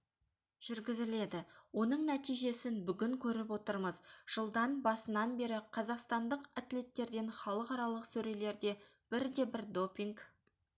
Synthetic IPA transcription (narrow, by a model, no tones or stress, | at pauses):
ʒ̥ʏɾɡʲɪzɪle̞d̪ɪwo̞nəɴnæt̪ijʒe̞sɪnbʏɡʲɪŋkʲʰɵɾɪp̬wo̞t̪əɾməzʒ̥əlˠd̪ɑnbɑsənɑnbe̞ɾɪqʰɑzɑqst̪ɑnd̪əqɑt̪le̞t̪ːe̞ɾd̪e̞ɴχɑlˠəqɑɾɑlˠəqsɵɾe̞le̞ɾd̪e̞ | b̥ɪɾd̪e̞bɪɾd̪o̞pʲiŋk